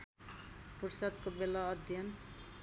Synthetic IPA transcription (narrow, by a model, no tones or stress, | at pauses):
pursʌd̪kobelʌːd̪ʱjʌn